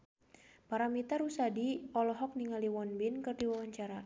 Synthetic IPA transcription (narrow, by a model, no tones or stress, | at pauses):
paɾamit̪aɾusadiɔlɔɦɔk̚niŋaliwɔnbɪnkɨrdiwawaɲt͡ʃaɾa